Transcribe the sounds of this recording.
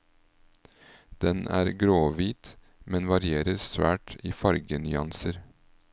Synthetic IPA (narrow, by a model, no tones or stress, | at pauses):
d̪̥ɛnæ̰ːɾɡɾoːʋiːt̪ | mɛnʋɑɾɪeːɾəɾsʋæ̰ːʈiːfɑɾɡənʏɑ̰nsəɾ